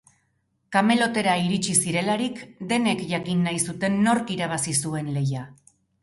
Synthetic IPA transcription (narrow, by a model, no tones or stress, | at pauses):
kame̞lo̞t̪e̞ɾaiɾit͡ʃisiɾe̞laɾikd̪e̞ne̞kʝakinːajsut̪e̞nːo̞ɾkiɾaβ̞asisue̞nle̞ja